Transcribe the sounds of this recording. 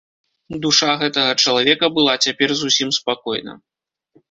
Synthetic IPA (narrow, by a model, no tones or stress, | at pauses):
d̪uʂaɣɛt̪ɐɣɐt͡ʂɐlˠavʲɛkɐbɨlˠat͡sʲapʲɛrzusʲimspakɔjnɐ̰